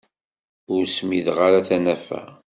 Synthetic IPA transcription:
ʊɾsmiðʁaɾaθænæfæ̰

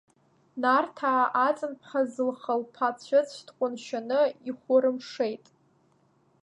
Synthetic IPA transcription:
nartʰaːʔat͡sʼɨnpʰχazɨlχəlpʰat͡sʷʰat͡sʰʃdqʷʼʊnʃanɨiχʷʊɾɨmʂejtʼ

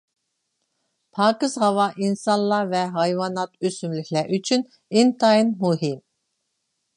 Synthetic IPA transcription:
pʰɑːkɨz̥ɦɑvɑʔinsɑnlˠɑvɛɦɑjvɑnɑt̪øsymlikʲʰlæɾʔyt͡ʃʰyn | int̪ʰɑinmuɦim

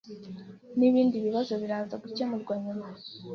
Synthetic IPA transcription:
niβiːndiβiβazo̞βiɾaːnzaɡucemuɾɡwaɲuma

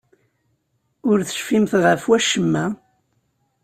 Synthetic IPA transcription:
ʊɾθə̥ʃfimθʁəfwæʃəmːæ

